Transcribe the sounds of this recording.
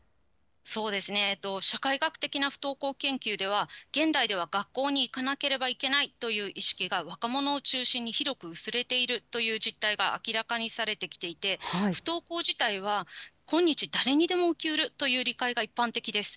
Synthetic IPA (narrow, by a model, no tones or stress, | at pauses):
so̞ːd̪e̞sɨne̞ːt̪ːo̞ɕakaiɡakɯ̟̥t̪e̞kʲinaɸɯ̥t̪o̞ːko̞ːkẽ̞ŋkʲɨːd̪e̞β̞aɡ̥ẽ̞nd̪aid̪e̞β̞aɡ̥akːo̞ːɲ̟iːkanake̞ɾe̞baike̞nait̪o̞jɯ̟ːʔiɕi̥kʲiɡaβ̞akamo̞no̞ːt͡ɕɨːɕĩɲ̟ːiçiɾo̞kɯ̟ɯ̟sɨɾe̞t̪e̞iɾɯ̟t̪o̞jɯ̟ːʑit̪ːaiɡaʔa̰kʲiɾakaɲ̟isaɾe̞t̪e̞kʲi̥t̪e̞it̪e̞ɸɯ̟̥t̪o̞ːko̞ːʑit̪aiβ̞akõ̞ɲ̟ːit͡ɕid̪aɾe̞ɲ̟id̪e̞mo̞ɯ̟kʲiɯɾɯ̟t̪o̞jɯ̟ːɾʲikaiɡaipːãnt̪e̞kʲid̪e̞sɨ̥